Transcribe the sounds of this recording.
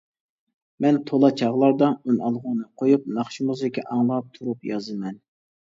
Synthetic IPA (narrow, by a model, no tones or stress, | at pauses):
mɛnt̪ʰolˠɑt͡ʃʰɑʁlˠɑɾd̪ɑunɑlˠʁʊnɨqʰojup̚nɑχʃimuzɪkʲɛʔɑŋlˠɑp̚t̪ʰuɾupjɑzɨmɛn